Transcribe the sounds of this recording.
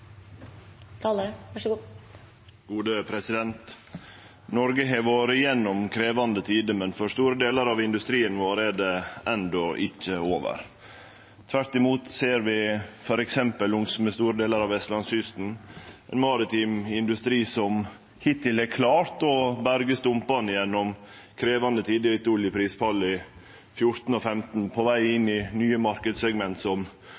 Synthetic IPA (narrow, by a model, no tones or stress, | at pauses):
t̪ʰɑːl | ɡ̥uːd̪əpʰɾɛsɪd̪ɛnt̪ | nɔɾɡəɦeʋoːɾəjɛnːɔmkʰɾeːʋɑnd̪ət̪ʰiːd̪əmɛnfɔʂt̪uːɾəd̪eːləɾɑʋɪnd̪ʉst̪ɾiːənʋoːɾæɖɛɛnd̪ɔʔɪt͡ʃːəoːʋə̰ɾ | t̪ʰʋæɾt̪ɪmuːt̪seːɾʋɪfɔɾɛksɛmpəlʊŋsməst̪uːɾəd̪eːləɾɑʋɛst̪lɑnsʏst̪n̩ɛ̰nmɑːɾɪt̪ʰiːmɪnd̪ʉst̪ɾiːsɔm | hɪt̪ɪlɛkʰlɑːɾt̪ɔbæɾɡəst̪ʊmpɑnəjɛnːɔmkʰɾeːʋɑnd̪ət̪ʰiːd̪ɪɪt̪uːlɪpʰɾiːspʰɑlːɪ | fjʊɾt̪n̩ɔfɛmt̪n̩pʰɔʋæɪɪnːɪnyːəmɑɾkəd̪sɛɡmɛnt̪sɔm